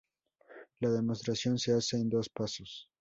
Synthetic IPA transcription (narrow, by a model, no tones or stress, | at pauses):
laðe̞mo̞st̪ɾasjo̞nse̞ase̞ːnd̪o̞spaso̞s